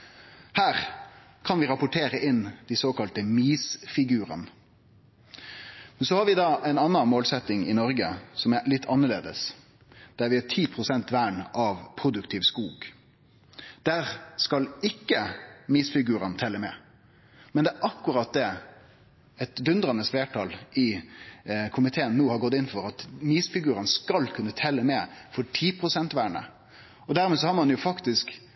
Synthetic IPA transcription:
hæːʁ | kʰɑnʋɪɾɑpʊʈʰeːɾəʔɪnd̪̥ɪsoːkɑlt̪əmiːsfɪɡʉːʁɑ̰n | mɛnsɔhɑɾʋɪd̪ɑːʔɛɪnɑnːɑmoːlsɛt̪ːɪŋɪ̰nɔɾɡəsɔmælɪt̪ʰːɑnːəlḛːd̪ə̰s | d̪̥æɾʋɪæt̪ʰiːpʰʁʊsɛnt̪ʋæːɳɑʋpʰɾʊd̪ʉkt̪ʰɪːʋskuːɡ | d̪̥æʁskɑlɪkːəmiːsfɪɡʉːɾɑnt̪ʰɛlːəmɛ̰ | mɛnd̪ɛæːʔɑkːʉɾɑt̪̚d̪ɛ | ɛt̪d̪ʉnd̪ʁɑnəsfleːʈʰɑlɪ | kʰʊmɪt̪ʰeːənːoːhɑɾɡɔt̪ːɪnfɔɾɑt̪miːsfɪɡʉːɾənskɑlkʰʉnːət̪ʰɛlːəmɛːfɔʈʰiːpʰʁʊsɛnt̪ʋæːɳə̰ | ɔd̪æɾmɛːs̬ɔhɑɾmɑnjʊfɑkt̪ɪsk

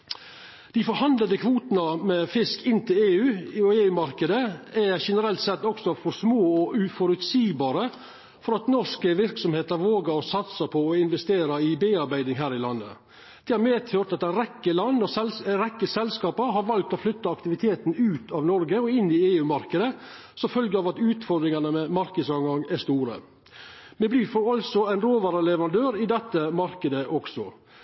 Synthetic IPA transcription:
d̪̥ɪfɔɾhɑnd̪ləd̪əkʰʋuːt̪nɑmɛfɪskɪnt̪ʰɪleːʉːɔeːʉːmɑɾkəd̪əæʃɛnəɾɛlt̪sɛt̪ːɔksɔfɔɾsmoːɔʔʉfɔɾʉt̪siːbɑːɾə | fɔɾɑt̪nɔʂkəʋɪɾksɔmheːt̪əɾʋoːɡəɔsɑt̪səpʰɔːɪnʋɛst̪eːɾɑɪbeːɑɾbæɪd̪ɪŋɦæːɾɪlɑnːə̰ | d̪̥ɛhɑɾmeːt̪ʰøt̪ɑt̪ɛnɾɛkːəlɑnːɔsɛlɾɛkːəsɛlskɑːpəɾɦɑɾʋɑlk̚t̪ɔflʏt̪ːɑɑkt̪ɪʋɪt̪ʰeːt̪nʉːt̪ʰɑʋnɔɾɡəɔɪnːɪeːʉːmɑɾkəd̪ə | sɔfœlɡəɑːʋɑt̪ʉːt̪fɔɾd̪ɾɪŋɑnəmɛmɑɾkəd̪sɑŋɑŋæst̪uːɾə̰ | mɛbliːɾfɔɾɑlsɔæɪnɾoːʋɑːɾəlɛʋəɾɑnd̪øːɾɪd̪ɛt̪ːəmɑɾkəd̪əʔɔɡsɔ

